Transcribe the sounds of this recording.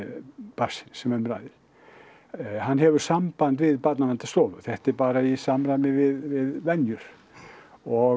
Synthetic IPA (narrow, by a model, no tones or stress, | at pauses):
pasɪnsɛmɛɾmɾa̰jðɪl̥ | hanːɦɛvʏɾ̥sampant̪vɪðpat̪nalɛnt̪ḁst̪oːvʏθɛht̪ɛɾpaːɾaisamɾajmnɪvɪðvɪðvɛnjʏɾ̥ | ɔ